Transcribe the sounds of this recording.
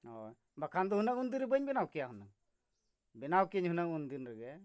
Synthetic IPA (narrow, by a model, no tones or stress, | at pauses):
ɔ̰ | bakʰand̪ɔɦunəkund̪iɾɛbəɲbɛnawkɛjaɦunəŋ | bɛnawkiɲɦunəŋund̪inɾɛɡɛ